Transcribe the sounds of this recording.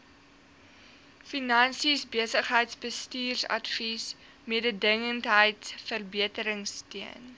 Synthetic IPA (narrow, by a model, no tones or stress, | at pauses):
finɐnsisbiəsəχɦəjtsbəstiːrsɐ̰tfis | miədədəŋəntɦəjtsfərbiətəɾəŋstiən